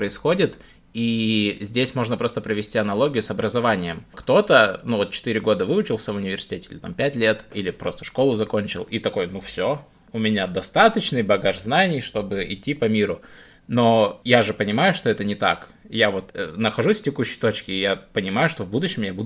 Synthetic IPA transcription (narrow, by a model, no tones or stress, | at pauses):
pɾəɪsxo̞dʲɪt̪ | izʲdʲesʲmo̞ʐnəpɾo̞st̪əpɾəvʲɪsʲtʲiɐnɐlˠo̞ɡʲɪjʊsɐbɾəzɐvanʲɪjəmkt̪o̞t̪ənuvo̞t̪̚t͡ɕɪ̥t̪ɨɾʲɪɡo̞d̪əvɨʊt͡ɕɪlˠsʲəvʊnʲɪvʲɪrsʲɪ̥tʲetʲɪ̥ilʲɪt̪a̰mpʲætʲlʲe̞t̪ilʲɪpɾo̞st̪ə̥ʂko̞lˠʊzɐko̞nʲt͡ɕɪ̰lˠit̪ɐko̞jnufsʲo | ʊmʲɪnʲad̪ɐst̪at̪ət͡ɕnɨjbɐɡaʐznanʲɪjʂt̪o̞bɨɪtʲːipɐmʲiɾʊ | no̞jaʐɨpənʲɪmajʊʂt̪o̞ɛt̪ənʲɪt̪a̰k | javo̞t̪nəxɐʐusʲftʲɪkuɕːɪ̥jt̪o̞t͡ɕkʲɪːjapənʲɪmajʊʂt̪o̞vbud̪ʊɕːɪmjabud̪ʊ